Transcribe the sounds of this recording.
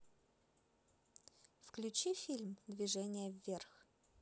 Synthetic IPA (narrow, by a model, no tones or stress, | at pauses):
fklʲʉt͡ɕifʲilʲmd̪vʲɪʐɛnʲɪjəvʲːerx